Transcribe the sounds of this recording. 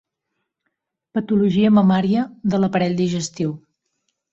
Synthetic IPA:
pət̪uluʒiəməmɔɾiəðələpəɾɛʎʲd̪iʒəst̪iw

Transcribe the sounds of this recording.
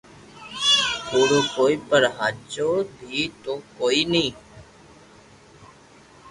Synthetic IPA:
koːɽoːkoːiːpəɾɦaːt͡ʃoːbʱiːt̪oːkoːiːnĩː

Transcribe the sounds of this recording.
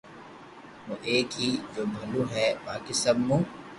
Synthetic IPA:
muʔeːkɦiːd͡ʒoːbʱɐluɦɛbaːkɪsɐbːũ

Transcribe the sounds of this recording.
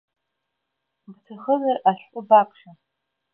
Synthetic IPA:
btʰɨχəzaraʃᶣʷʼʊbakʷʰʼʃa

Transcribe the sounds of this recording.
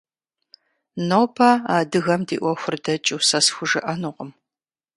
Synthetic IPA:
nowpʰɐaːdɨɣɐmdḭːʔʷɔxʷʊrdɐt͡ʃʼɪwsɐsxʷʊʒɨʔɐnuqəm

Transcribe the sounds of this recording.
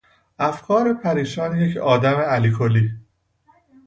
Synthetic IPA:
ʔæfkʰɒːɾepʰæɾiːʃɒːnje̞cʰɒːd̪æmeæliːkʰoliː

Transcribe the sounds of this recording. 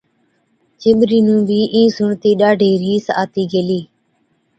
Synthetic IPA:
t͡ʃɪɓɾiːnũːbʱiːʔĩːsʊɳt̪iːɗaːɖʱeːɾiːsa̰ːt̪iːɡeːliː

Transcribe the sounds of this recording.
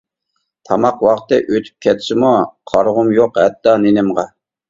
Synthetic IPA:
t̪ʰɑmɑqwɑqt̪ɨʔøt̪ʰy̥p̚kʲʰɛt̪sɪmuqʰɑɾʁʊmjoqhɛt̪ːɑnenɪmʁɑ

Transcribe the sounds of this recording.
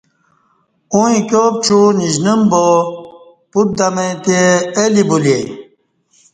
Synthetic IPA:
uĩkʲjoːp̚t͡ɕuniʑnumbo | put̪̚d̪ɐmet̪eelibulje

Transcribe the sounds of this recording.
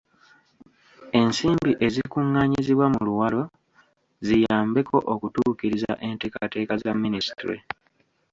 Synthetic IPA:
e̞nsiːmbiʔe̞zikuŋːaɲiziβwamuluwalo̞ | zijaːmbe̞kʰo̞ʔokutuːkiɾiza̰ʔe̞ntekate̞ːkazamːinisi̥tɾḛ

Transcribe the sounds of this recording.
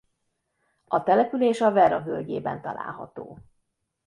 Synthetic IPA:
ɒt̪ɛlɛpyleːʃɒvɛɾɒɦølɟeːbɛnt̪ɒla̰ːlɦɒ̰t̪oː

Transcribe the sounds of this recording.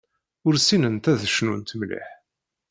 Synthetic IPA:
ʊɾsinənt̪æðəʃnunt̪mlḭħ

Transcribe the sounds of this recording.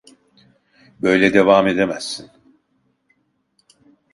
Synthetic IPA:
bø̞jlʲɛd̪e̞vaːme̞d̪emæzːin

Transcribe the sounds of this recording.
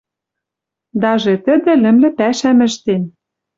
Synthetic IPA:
d̪ɑʒet̪ɘ̆d̪ɘ̆lɘ̆mlɘ̆pæʃæmɘ̆ʃt̪en

